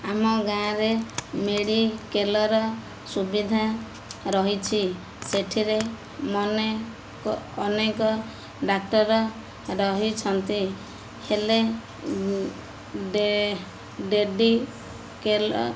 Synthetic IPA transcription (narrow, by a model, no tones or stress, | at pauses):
amɔɡãɾemeɽikelɔɾɔ | subid̪ʱa | ɾɔɦit͡ʃʰi | seʈʰiɾe | mɔne | kɔːnekɔ | ɖak̚ʈɔɾɔ | ɾɔɦit͡ʃʰɔnt̪i | hele | ɖeɖi | kelɔ